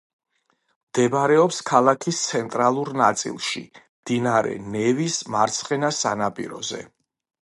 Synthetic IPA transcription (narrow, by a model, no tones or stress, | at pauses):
md̪̥ɛbaɾɛɔpskʰalˠakʰist̪sʰɛnt̪ʼɾalˠuɾnat̪sʼḭlˠʃḭmd̪̥inaɾɛ̰nɛvismaɾt̪sʰχɛnasanapʼḭɾɔ̰zɛ̰